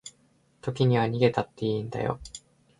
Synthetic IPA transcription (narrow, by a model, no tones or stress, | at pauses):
t̪o̞kʲiɲ̟iβaɲ̟iɡe̞t̪at̪ːe̞ĩnd̪a̰jo̰